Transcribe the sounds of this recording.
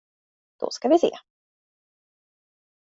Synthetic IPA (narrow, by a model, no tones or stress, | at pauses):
d̪̥ɔ̰skavɪsḛː